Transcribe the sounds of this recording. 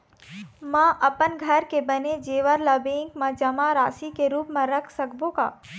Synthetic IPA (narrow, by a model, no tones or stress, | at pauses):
mãʔɐpənɡʱəɾkebəned͡ʒeːʋəɾlabẽŋkmãd͡ʒɐmaɾaːsikeɾuːpmãɾəkʰsəkbõka̰ː